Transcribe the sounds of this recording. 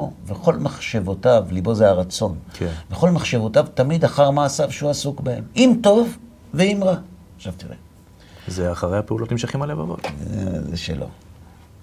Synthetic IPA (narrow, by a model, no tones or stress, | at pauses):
oveχo̞lmaχʃevo̞tavlibo̞zeaʁat͡so̞nknveχo̞lmaχʃe̞vo̞tavtamid̪aχaʁmaːsavʃeuasukbehḛmimto̞v | veimʁa | χʃavt̪iʁḛ | zeaχaʁehapeulotnimʃaχimaleva̰vo̰tzḛʃḛlʔo̞̰